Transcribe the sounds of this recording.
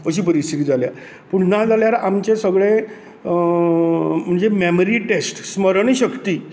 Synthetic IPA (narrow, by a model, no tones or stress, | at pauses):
əɕiːp̬əɾist̪ʰit̪iːd͡zʱalja̰ | puɽnad͡zaljaɾamt͡ɕesəɡɭẽ | m̤əɳd͡zememəɾiʈesʈsməɾɳ̃iɕəkt̪iː